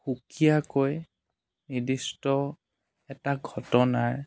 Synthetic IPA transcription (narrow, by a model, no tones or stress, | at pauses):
xukijakoj | nidistɔ | ɛtaɡʱɔtɔnaɹ